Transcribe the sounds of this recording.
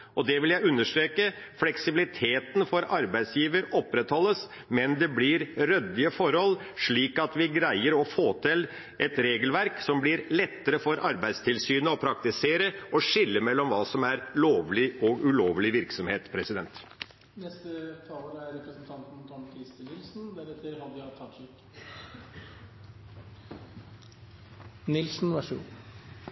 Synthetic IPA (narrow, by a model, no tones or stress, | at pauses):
ʔɔd̪ɛʋɪljæɪʉnːəʂt̪ɾeːkə | flɛksɪbɪlɪt̪ʰeːt̪n̩fɔɾɑɾbæɪd̪sjiːʋəɾɔpːɾɛt̪hɔlːəs | mɛnd̪ɛblɪɾɾœd̪ɪəfɔɾhɔlː | ʂɭiːkɑt̪ʋɪɡɾæɪəɾɔfoːt̪ʰɪl | ʔɛt̪ɾeːɡəlʋæɾksɔmblɪɾlɛt̪ːəɾəfɔɾʔɑɾbæɪd̪st̪ʰɪlsyːnəɔpʰɾɑk̚t̪ɪseːɾəʔɔʂɪlːəmɛlːɔmʋɑːsɔmæɾloːʋlɪɔɡʉloːʋlɪʋɪɾksɔmheːt̪pʰɾɛsɪd̪ɛnt̪ | nɛst̪ət̪ʰɑːləɾæɾɾɛpɾəsnt̪ʰɑnt̪n̩t̪ʰɔɳkʰɾɪst̪ənɪlsn̩d̪æɾɛt̪ːəɾhɑd̪t̪ʰːɑt̪ʂɪk | nɪlsn̩ʋæʂʉ̰